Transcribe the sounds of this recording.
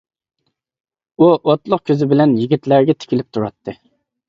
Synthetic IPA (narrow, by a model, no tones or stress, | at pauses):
uʔot̪lˠʊq̚kʲʰøzɪbɪlɛnjiɡʲit̪læɾɡʲɛt̪ʰɪ̥kʲilɪp̚t̪ʰuɾɑt̪ʰːɨ